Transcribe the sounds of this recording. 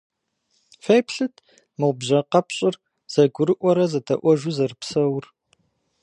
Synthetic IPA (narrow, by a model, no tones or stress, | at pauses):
fejpʰɬɨtʰ | mɨʁʷbʑɐqɐpɕʼɪr | z̥ɐɡʷʊɾɨʔʷɔɾɐzɐtʰɐ̰ʔʷɔʒʷuzɐrɨpsɐwr